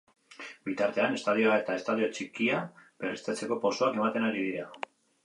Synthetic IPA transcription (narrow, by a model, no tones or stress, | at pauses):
bit̪aɾt̪e̞ane̞st̪að̞ioae̞t̪ae̞st̪að̞io̞t͡ʃikiaberest̪et͡se̞ko̞poso̞ake̞mat̪e̞naɾið̞iɾa